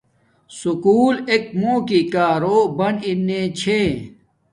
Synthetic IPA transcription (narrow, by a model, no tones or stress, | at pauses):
sukuːlek̚moːkikaːɾoːbɐninːẽːt͡ɕʰe